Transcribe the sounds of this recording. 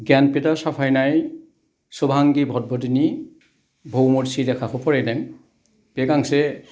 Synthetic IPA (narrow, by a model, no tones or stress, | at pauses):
ɡanpidasapʰajnaj | sɔbʱaŋɡibʱɔd̚bɔdini | bʱowmoɹsidɛkʰaxɔpɔɹɛjdɛŋ | b̥ɛɡaŋsɛ